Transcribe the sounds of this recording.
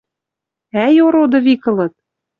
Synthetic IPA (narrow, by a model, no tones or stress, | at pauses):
æjoɾod̪ɤ̆βikɤ̆lɤ̆t̪̚